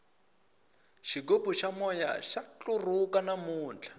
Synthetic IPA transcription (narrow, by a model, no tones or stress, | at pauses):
ʃikopuʃamɔja̰ʃat͡ɬurukanamuːnd͡ɮḁ